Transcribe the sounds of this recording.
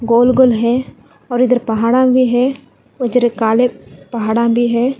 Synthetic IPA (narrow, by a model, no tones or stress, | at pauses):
ɡoːlɡolɦɛ̃ | ɔːɾɪd̪əɾpɐɦaːɽãbʱiɦɛ | ʊd̪əɾekaːlepɐɦaːɽãbʱiɦɛː